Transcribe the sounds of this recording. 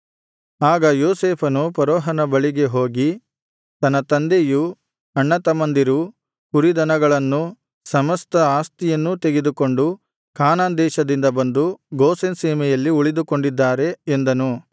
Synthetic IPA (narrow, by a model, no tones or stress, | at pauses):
aːɡɐjoːseːpʰɐnupɐɾɔːɦɐnɐbɐɭiɡe̞ɦo̞ːɡi | t̪ɐnːɐt̪ɐnd̪eju | ɐɳːɐt̪ɐmɐnd̪iɾu | kuɾid̪ɐnɐɡɐɭɐnːu | sɐmɐst̪ɐaːst̪ijɐnːut̪eɡed̪uko̞ɳɖu | kaːnaːnd̪ɛːʃɐd̪ind̪ɐbɐnd̪uɡoːsensiːmɛjɐlːiuɭid̪uko̞ɳɖid̪ːaːɾe̞ːnd̪ɐnu